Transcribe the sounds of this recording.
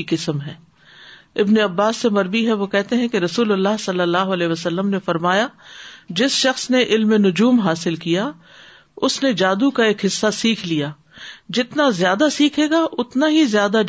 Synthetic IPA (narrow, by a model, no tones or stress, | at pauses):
ikɪsəmɦɛː | ɪbneɐbːaːsːemɐɾbiɦɛʋokɛɦt̪eɦɛ̃keɾɐsuːlɐlːaːɦsɐlːəlːaːɦoɐlɛːɦʋəsɐlːəmnefɐɾmaːjad͡ʒɪsʃɐxsneʔɪlmenʊd͡ʒuːmɦaːsɪlkija | ʊsned͡ʒaːd̪ukaeːkɦɪsːasiːkʰlijaː | d͡ʒɪt̪nazjaːd̪asiːkʰeːɡaʔʊt̪naɦizjaːd̪a